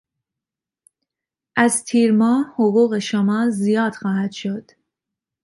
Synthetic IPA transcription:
ʔæzt̪ʰiːɾmɒːhoɣuːɣe̞ʃomɒːlzijɒːd̪̥xɒːhæd̪̥ʃo̞d̪̥

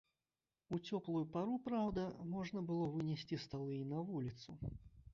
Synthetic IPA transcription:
ut͡sʲɔplˠujupaɾupɾawd̪ɐmɔʐnɐbɨlˠɔvɨnʲɛsʲt͡sʲist̪alˠɨjinɐvulʲit̪su

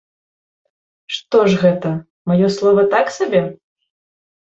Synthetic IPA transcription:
ʂt̪ɔʐɣɛt̪ɐ | majɔslˠɔvɐt̪aksabʲɛ

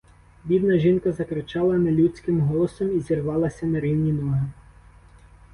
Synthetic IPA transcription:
bʲid̪nɐʒinkɐzɐkɾɪt͡ʃɑlˠɐnɐlʲut͡sʲkɪmɦɔlˠɔsɔmizʲirʋɑlˠɐsʲɐnɐɾiwnʲinɔɦɪ

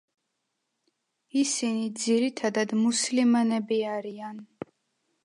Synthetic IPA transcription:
isinid̪ziɾit̪ʰad̪ad̪muslimanɛbiaɾian

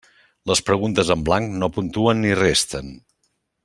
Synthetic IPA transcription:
ləspɾəɣunt̪əzəmblaŋknopunt̪uənːirest̪ən

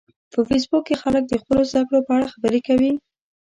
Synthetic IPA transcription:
pəfes̬bukːexalək̚d̪əxpəlozd̪akɽopəaɽaxabəɾekawi

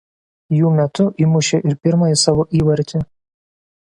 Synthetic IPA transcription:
juːmʲɛt̪ʊʔimʊʃʲeʔɪɾpʲɪɾmɐjɪsɑʋoːʔiːʋɐɾʲt̪ʲɪ

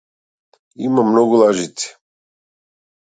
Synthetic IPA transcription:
imamnɔɡulˠaʒit̪i̥

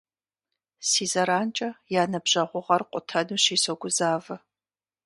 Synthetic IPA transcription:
siːzɐɾaːnt͡ʃʼɐjaːnɐbʑɐʁʷʊʁɐrqʷʼʊtʰɐnuːɕiːsoɡʷʊzaːvɐ

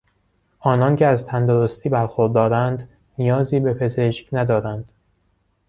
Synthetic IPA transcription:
ʔɒːnɒːncʰeæzt̪ʰænd̪oɾost̪ʰiːbæɾxoɾd̪ɒːɾænd̪ | nijɒːziːbe̞pʰe̞ze̞ʃcnæd̪ɒːɾænd̪̥

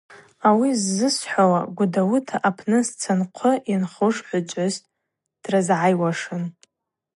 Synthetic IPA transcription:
awizːɨsħʷawa̰ɡʷʊdawutʰaʔapʰnɨst͡sʰanqʷʰʊʔinχʊʂħʷat͡ʃʷʼaztʼ | d̥razʕajwaʂɨn

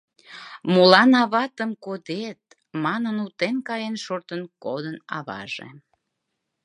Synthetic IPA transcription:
molɑnɑβɑt̪əmkod̪et̪̚ | mɑnənut̪enkɑjenʃort̪ənkod̪ənɑ̰βɑ̰ʒḛ

